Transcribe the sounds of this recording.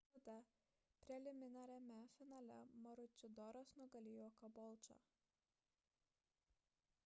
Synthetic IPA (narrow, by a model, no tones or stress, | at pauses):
d̪ɐ | pʲɾʲɛlʲɪmʲɪnɑɾʲɛmʲɛfʲɪnaːlʲɛ̰mɐɾʊt͡ʃʲɪd̪ɔɾɐsnʊɡɐlʲijoːkɐbɔlˠt͡ʃo̰